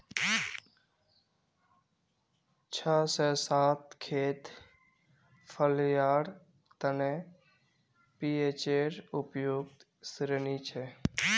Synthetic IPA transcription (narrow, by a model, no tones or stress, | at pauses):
t͡ʃʰəsəsaːt̪kʰeːt̪ | pʰəljaːɽ | t̪əne | piet͡ʃeːɾʊpjoːɡ̚t̪ | sɾənit͡ʃʰe